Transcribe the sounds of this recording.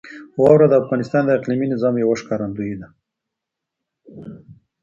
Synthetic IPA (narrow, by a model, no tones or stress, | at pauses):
wɑwɾad̪əːfɣɑnɪst̪ɑnd̪əɪqliminɪzɑmjawaʂkɑɾand̪uid̪a